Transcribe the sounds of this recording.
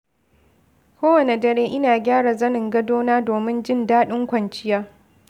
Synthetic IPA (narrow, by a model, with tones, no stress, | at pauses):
kʷoː˦wɐ˨ne˨dɐ˨ɽeː˦ʔɪ˦naː˨ɡʲaː˦ɽa˨zɐ˦nɪ˨ŋɡɐ˦doː˦naː˦doː˨mɪ˦nd͡ʒɪ˦ndaː˦ɗɪ˦ŋkʷɐ˨nt͡ʃɪ˦jaː˦